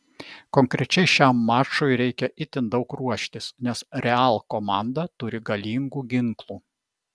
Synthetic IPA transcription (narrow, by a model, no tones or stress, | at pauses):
kɔŋʲkɾʲɛt͡ʃʲɛɪʃʲæˑmːɑːʃojɾʲɛɪkʲɛʔɪt̪ʲɪnd̪ɒʊkɾuɔʃʲt̪ʲɪsnʲɛsɾʲɛɑːˑlˠkomɑˑnd̪ɐt̪ʊɾʲɪɡɐlʲiːŋɡuːɡʲɪŋklˠuː